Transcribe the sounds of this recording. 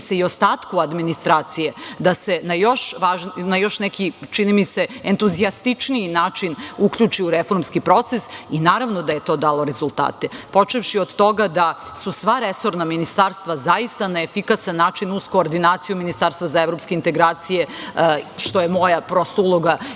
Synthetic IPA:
seio̞st̪aːt̪kuad̪minist̪ɾaːt̪sije̞d̪ase̞najo̞ʃʋaʒnnajo̞ʃnɛkit͡ʃinimiseent̪uziast̪it͡ʂniːnaːt͡ʃinukʎʲut͡ʃiuɾefo̞ɾmskipɾo̞t̪sesinaːɾaʋnod̪aje̞t̪o̞ːd̪aːlˠo̞ɾe̞zulˠt̪a̰ːt̪epo̞t͡ʂeʋʃiod̪t̪o̞ɡad̪a | susʋaɾeso̞ɾnaminist̪aːɾst̪ʋazajist̪anaefikasanːaːt͡ʃinusko̞ːɾd̪inaːt̪sijuminist̪aːɾst̪ʋazaeʋɾo̞pskeint̪e̞ɡɾaːt̪sije̞ | ʃt̪o̞jemo̞japɾo̞st̪oulˠo̞ɡa

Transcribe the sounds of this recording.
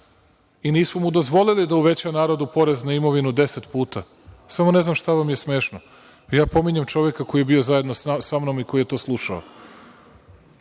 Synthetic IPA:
iniːsmomud̪o̞zʋo̞lilid̪auʋe̞t͡ɕanaːɾod̪upo̞ɾeznaimo̞ʋinud̪e̞set̪puːt̪a | samo̞ne̞znamʃt̪aʋamje̞sme̞ːʃno | jaːpo̞miɲemt͡ʃo̞ʋjekako̞jijebio̞zaje̞d̪nossamnomiko̞jijet̪oːslˠuʃao

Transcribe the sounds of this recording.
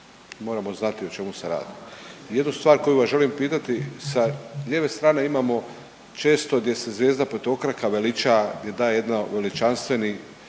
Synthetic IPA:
mo̞ːɾamo̞znat̪io̞t͡ʃe̞museɾa̰ːd̪ije̞d̪nust̪ʋaːɾko̞juʋasʒe̞limpiːt̪at̪isaʎeːʋe̞st̪ɾaːne̞imaːmo̞ | t͡ʃe̞ːst̪o̞ɡd̪je̞se̞zʋʲjeːzd̪apet̪o̞kɾakaʋe̞lit͡ʃaɡd̪je̞d̪aːjeje̞d̪naʋe̞lit͡ʃanst̪ʋe̞ni

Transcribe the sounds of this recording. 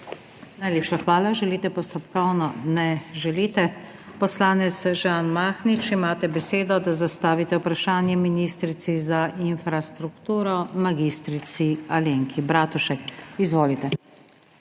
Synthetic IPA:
najleːpʃaxʋaːlaʒɛliːt̪ɛpɔst̪ɔpkɔwnɔnɛʒɛliːt̪ɛ | pɔslaːnɛt̪sʒaːnmaːxnit͡ʃimaːt̪ɛbɛseːd̪ɔd̪azast̪aːʋit̪ɛwpɾaʃaːnjɛminist̪ɾit̪sizainfɾast̪ɾukt̪uːɾɔmaɡist̪ɾit̪sialeːŋkʰibɾaːt̪uʃɛkizʋoːlit̪ɛ

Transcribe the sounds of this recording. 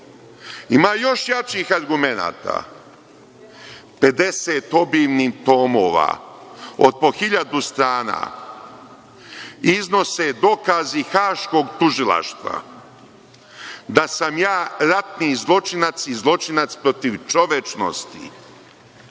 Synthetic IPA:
imaːjo̞ʃjat͡ʃiːxaɾɡume̞na̰ːt̪a̰ | pe̞d̪eseːt̪o̞biːʋnit̪o̞ːmo̞ːʋa̰ | o̰d̪̚po̞xiʎad̪ust̪ɾaːna̰ː | izno̞sed̪o̞kazixaːʃko̞ːɡt̪uʒilˠa̰ʃt̪ʋa̰ | d̪asamjaːɾat̪nizlˠo̞t͡ʃinat̪sizlˠo̞t͡ʃinat̪spɾo̞t̪iʋt͡ʃo̞ʋet͡ʃno̰st̪ḭ

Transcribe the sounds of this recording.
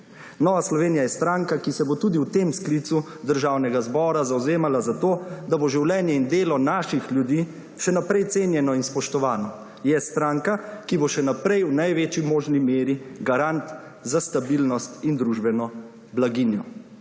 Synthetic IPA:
nɔːʋaslɔʋeːnijajɛst̪ɾaŋkakisɛbot̪uːd̪iwt̪eːmskliːt̪su | d̪əɾʒaːwnɛɡazbɔːɾazawzeːmalazat̪oːd̪aboʒiwlɛːnjɛind̪eːlɔnaːʃixljud̪iː | ʃɛnapɾɛjt̪seːnjɛnɔinspɔʃt̪ɔʋaːnɔ | jɛst̪ɾaːŋkakiboʃɛnapɾɛjwnajʋeːt͡ʃimoːʒnimeːɾiɡaɾant̪ | zast̪abilnɔst̪ind̪ɾuʒbɛnɔ | blaɡinjɔ

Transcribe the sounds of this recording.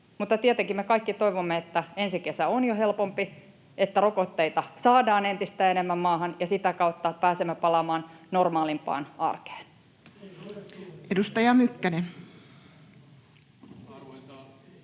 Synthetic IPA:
mut̪ːɑt̪iet̪eŋkimekɑikːit̪oiʋomːeet̪ːæensikesæonjohe̞lpompi | et̪ːærokot̪ːeit̪ɑsɑːdɑːnent̪ist̪æːenemːæmːɑːɦɑnjɑsit̪ækɑut̪ːɑpæːsemːæpɑlɑmɑːnnormɑːlimpɑ̰ːnɑ̰rke̥ːn | ʔedust̪ɑjɑmykːænen

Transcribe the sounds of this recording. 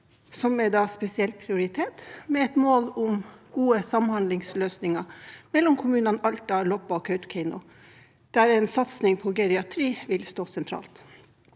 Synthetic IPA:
sɔmɛd̪ɑːspɛsɪɛlt̪̚pʰɾɪʊɾɪt̪ʰeːt̪mɛɛt̪moːlʊmɡ̥uːəsɑmhɑnd̪lɪŋsløːsnɪŋɑmɛlːɔmkʰʊmʉːnɑnɑlt̪ɑlɔpːɑɔkʰœʉt̪kʰɛɪnʊ | d̪̥æɾɛnsɑt̪snɪŋpʰɔɡɛɾɪɑt̪ʰɾiːʋɪlst̪oːsɛnt̪ʰɾɑ̰ːlt̪

